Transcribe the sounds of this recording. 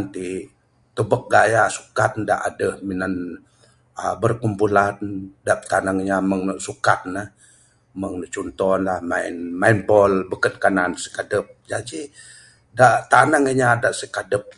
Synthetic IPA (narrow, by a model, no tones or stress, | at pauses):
nt̪i | t̪əbək̚ɡajasu̥kat̪̚nda̰ʔadəhminan | ə̰bərkumpulandaʔpt̪anaŋəɲaməŋnəʔsukat̪̚nah | məŋnəʔt͡ʃunt̪ɔnlahmaɪ̰nmainpɔlbəkət̪̚kanansə̥kadəp̚d͡ʒad͡ʒi | daʔt̪anaŋəɲadaʔsəkadəp̚